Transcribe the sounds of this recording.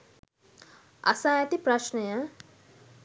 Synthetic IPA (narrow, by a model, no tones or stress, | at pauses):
ɐ̰sajat̪ipɾaʃnəjə